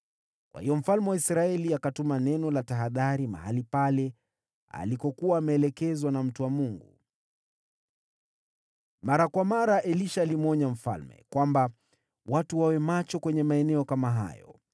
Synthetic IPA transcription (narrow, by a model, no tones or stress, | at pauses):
kwa̰hijɔm̩falmɛwaisɾaɛliakatumanɛnɔlataɦaðaɾima̰halipalɛ | a̰likɔkuwaːmɛːlɛkɛzwanam̩tuwamuŋɡu | maɾakwamaɾaʔɛliʃaːlimɔɲam̩fa̰lmɛ̰kwamba | watuwawɛmat͡ʃɔkwɛɲɛmaɛnɛɔkamaɦa̰jɔ̰